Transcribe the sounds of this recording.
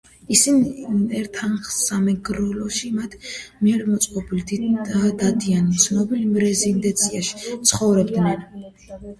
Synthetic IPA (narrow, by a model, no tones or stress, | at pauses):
isiniɛɾt̪ʰanχsamɛɡɾulɔʃimat̪ʰmiɛɾmɔt̪sʼqʼɔbilid̪id̪ad̪ianisʰnɔbilimɾɛzind̪ɛnt̪sʰiaʃi̥t̪sʰχɔvɾɛbd̪nɛn